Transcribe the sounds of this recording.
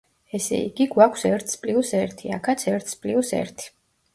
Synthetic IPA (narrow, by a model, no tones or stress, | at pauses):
ɛsɛ̰ḭɡiɡwakʰsɛɾt̪ʰspʼliusɛɾt̪ʰia̰kʰat̪sʰɛɾt̪ʰspʼliusɛ̰ɾt̪ʰi̥